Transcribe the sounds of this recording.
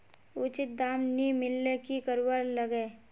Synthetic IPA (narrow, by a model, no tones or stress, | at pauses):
ʊt͡ʃɪt̪̚d̪aːmnimɪlːekikəɾwəɾləɡeː